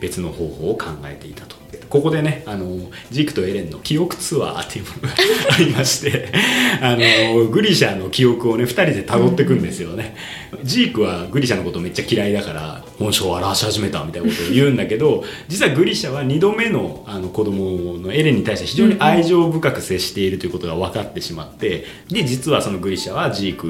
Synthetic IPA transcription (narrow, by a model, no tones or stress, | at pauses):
b̥e̞t͡sɨno̞ho̞ːho̞ːkʰãŋɡa̰e̞t̪e̞it̪ḁt̪o̥et̪ko̞ko̞d̪e̞ne̞ano̞ | d͡ʑiːkɯ̥t̪oe̞ɾẽ̞nːo̞kʲio̞kɯ̟̥t͡sɨβa̰ːt̪ːeɯ̟moɡaaɾʲimaɕi̥t̪e̞ano̞ɡɯ̟ɾʲiɕano̞kʲio̞kɯ̟o̞ne̞ɸɯ̟t̪aɾʲid̪e̞t̪aɡo̞t̪ːe̞kɯ̟̃nd̪e̞sɨjo̞ne̞ | d͡ʑiːkɯ̟βaɡɯ̟ɾʲiɕano̞kot̪oːme̞t͡ɕːakʲiɾaid̪akaɾa̰ | hõ̞ɕo̞ːaɾaɕi̥haʑime̞t̪amʲit̪ainakot̪ːjɯ̟̃ːnd̪ake̞d̪o̞d͡ʑit͡sɨβaɡɯ̟ɾʲiɕaβaɲ̟id̪o̞me̞no̞ano̞ko̞d̪o̞mo̞no̞e̞ɾe̞ɲ̟ːit̪aiɕit̪e̞çiʑo̞ːɲ̟iʔaiʑo̞ːbɯ̟kakɯ̟se̞ɕi̥t̪e̞iɾɯ̟t̪ojiɯ̟ko̞t̪o̞ɡaβakat̪ːe̞ɕima̰t̪ːe̞ | d̪e̞d͡ʑit͡sɨβaso̞no̞ɡɯ̟ɾʲiɕaβad͡ʑiːkɯ̟